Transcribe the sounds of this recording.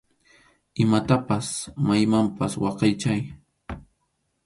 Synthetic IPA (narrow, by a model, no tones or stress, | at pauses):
ɪmat̪apasmajmampaswɑqɑjt͡ʃaj